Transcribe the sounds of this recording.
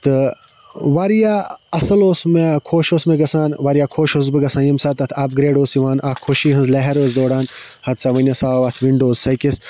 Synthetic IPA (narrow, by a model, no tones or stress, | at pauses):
t̪ɨ | ʋaːɾjaːɐsɐloːsmekʰoːʃoːsmeɡɐsaːnʋaːɾijaːkʰoːʃoːs̬bɨɡɐsãːnjimsaːt̪ɐt̪ʰɐːb̚ɡɾeːɖoːsjiʋaːnaːkʰːoːʃiːɦɐ̃nzleɦɐɾoːs̬d̪oːɽaːn | hɐt̪saʋɐnʲɐsaːʋat̪ʰʋiɳɖoːzsɐkis